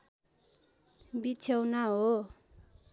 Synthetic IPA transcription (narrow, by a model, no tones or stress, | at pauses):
bit͡sʰʌwnaɦo